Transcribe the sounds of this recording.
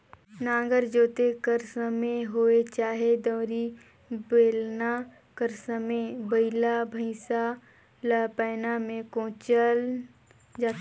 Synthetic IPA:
nãːɡəɾd͡ʒoːt̪ekəɾsəmẽɦoːet͡ʃaːɦed̪ɔːɾi | beːlna | kəɾsəmebəɪlabʱə̃ɪsa | lapɛːnamẽkõːt͡ʃəl | d͡ʒaː

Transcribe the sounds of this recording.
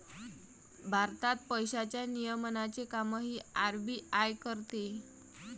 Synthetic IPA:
bʱaɾt̪at̪̚pəjɕat͡ɕjanijəmnat͡sekaməɦiːaɾbiːajkəɾt̪e

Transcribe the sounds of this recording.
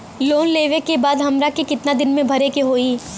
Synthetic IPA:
loːnleːʋekebaːd̪ɦɐmɾakekɪt̪nad̪ɪnmẽbʱɐɾekeɦoːiː

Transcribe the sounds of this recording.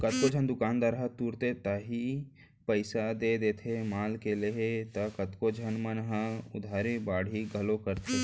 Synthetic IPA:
kɐt̪̚kod͡ʒʱənd̪ʊkaːnd̪aːɾɦət̪uːɾt̪et̪əɦi | pəɪsad̪eːd̪eːt̪ʰemaːlkeleɦet̪ɐkət̪kod͡ʒʱənmənɦãʊd̪ʱaːɾebaːɽʱiɡʱɐlokəɾt̪ʰe

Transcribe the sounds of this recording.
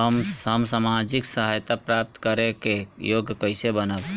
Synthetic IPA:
əməmsamad͡ʒiksəɦajt̪apɾap̚t̪kəɾekejoɡkəɪsebənəb

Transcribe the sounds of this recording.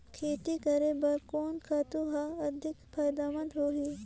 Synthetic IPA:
kʰeːt̪ikɐɾebɐɾkoːnkʰaːt̪uɦaɐd̪ʱɪkpʰɐːjd̪aːmə̃nd̪ɦoːɦiː

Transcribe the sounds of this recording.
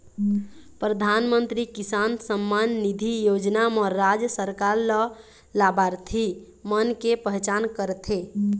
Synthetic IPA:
pɾəd̪ʱanmənt̪ɾikisansəmːanːid̪ʱijod͡ʒnamɔːad͡ʒjsəɾkaɾlə | labaɾt̪ʰi | mənkepəɦt͡ʃankəɾt̪ʰe

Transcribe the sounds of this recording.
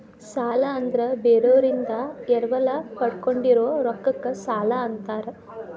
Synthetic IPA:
saːlɐːnd̪ɐɾebeːɾɐʋɾind̪ɐɛɾɐʋɐlɐpɐɽkoɳɖiɾoːɾokːɐkːɐsaːlɐːnt̪aːɾe

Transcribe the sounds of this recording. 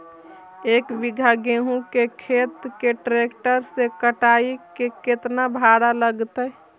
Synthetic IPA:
ekbiɡʱaɡeɦũkekʰet̪keʈɾekʈəɾsekəʈaikeket̪nabʱaɽaləɡt̪ə

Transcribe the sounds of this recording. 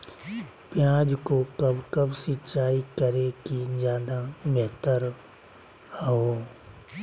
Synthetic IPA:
pjãːd͡ʒkokɐbkɐbsɪt͡ʃaːikəɾekizjaːd̪ameɦt̪əɾ | hɦoː

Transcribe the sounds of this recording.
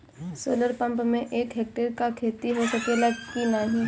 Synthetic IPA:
so̰ːləɾpɐ̃mpmẽʔeːkɦeːk̚ʈeɾkakʰeːt̪iɦosɐkelɐɡkinaɦĩ

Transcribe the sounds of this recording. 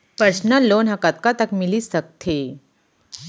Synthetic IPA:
pəɾsnəlːonɦakat̪̚kat̪əkmiliːsək̚t̪ʰe

